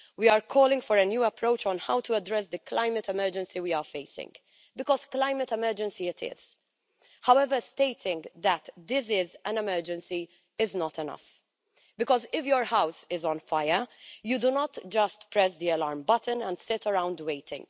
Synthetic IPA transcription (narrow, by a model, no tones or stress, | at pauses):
wiaɹkʰɔːlɪ̃ŋɡfɔɾənjuːɐpɾoʊt͡ʃɔ̃nhawt̪ʰuɐdɾɛs̬d̪ɨklaɪmət̪ɛmɛɹd͡ʒɛ̃nsiwiaɹfeɪsɪ̰̃ŋɡ | bɪkɔz̥klaɪmət̪ɛmɛɾd͡ʒɛ̃nsiɪt̪ʰɪ̰z̥ | hawɛvəsteɪt̪ʰɪ̃ŋɡðɛt̪d̪ɪs̬ɪzæ̃nɛmɛɾd͡ʒɛ̃nsi | ɪznɔt̪ɛnʌ̰f | bɪkɔzɪfjɔɹhawsɪzɔ̃nfaɪəjud̪unɔt̪d͡ʒʌstpɹɛs̬d̪iɛlɑːɾmbʌtə̃nɛ̃nd̪sɪtəɹãwnd̪weɪt̪ʰɪ̰̃ŋɡ